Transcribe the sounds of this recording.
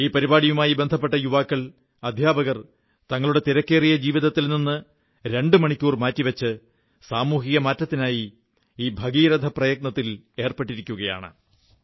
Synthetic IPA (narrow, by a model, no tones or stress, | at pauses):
iːpɐɾibaːɽijumaːjibe̞nd̪ʱɐpːe̞ʈːɐjuʋaːkːɐɭ | ɐd̪ʱjaːbɐɣɐr | t̪ɐŋːɐɭuɽe̞t̪iɾɐkːe̞ːrijɐd͡ʑiːʋiðɐt̪ːilninːɨ | ɾe̞ɳɖɨmɐɳikʲːuːrmaːtːiʋɐt͡ɕːɨ | saːmuːɦiɣɐmaːtːɐt̪ːinaːji | iːbʱɐɡiːɾɐd̪ʱɐprɐjɐɡ̚nɐt̪ːil | e̞ːrpe̞ʈːiɾikʲːuɣɐja̰ːɳɨ̰